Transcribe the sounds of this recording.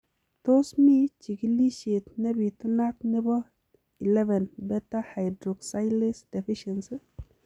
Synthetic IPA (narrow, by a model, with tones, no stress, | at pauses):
to˦smi˦t͡ʃi˨ki˦li˦ʃe˨tne˦bi˨ti˦na˦t̚ne˦bɔ˦ | i˨lɛ˦vɛ˨nbɛ˦ta˦ha˨jdɾo˨ksa˦jle˦sd̥ɛ˨fi˦ʃe˨nsi˦